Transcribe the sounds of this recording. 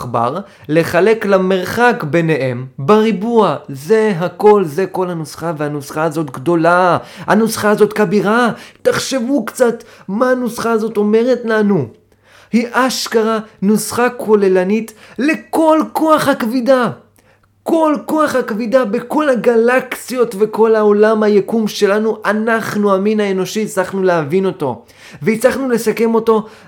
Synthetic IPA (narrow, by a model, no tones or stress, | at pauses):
ba̰ʁ | le̞χale̞klame̞ʁχakbe̞nehembaʁibuazeɦako̞lze̞ko̞lhanusχavehanusχaːzo̞tɡdo̞laha̰nusχaːzo̞tkabiʁataχʃe̞vukt͡satmaanusχaːzo̞t̪o̞me̞ʁetlanu | hiʔaʃkaʁanusχakʰole̞lanitle̞ko̞lko̞aχhakvida | ko̞lko̞aχhakvidabeko̞laɡalaksijo̞tve̞ko̞laolamhajekumʃe̞lanuʔanaχnuaminaeno̞ʃit͡slaχnuleavino̞to̞̰ | veit͡saχnule̞sake̞mo̞to̞